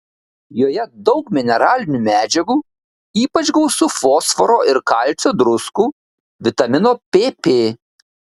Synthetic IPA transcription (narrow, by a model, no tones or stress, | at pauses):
joːjɛd̪ɒʊkmʲɪnʲɛɾɑːlʲɪnʲumʲæːd͡ʒʲɛɡuː | iːpɐt͡ʃɡɒʊsʊfoːsfɔɾoːʔɪɾkɐlʲsʲoːd̪ɾʊskuː | ʋʲɪt̪ɐmʲɪnoːpʲeːpʲeː